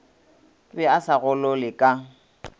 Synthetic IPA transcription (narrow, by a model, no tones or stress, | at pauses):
bɛasaɣʊlɔlɪkʼa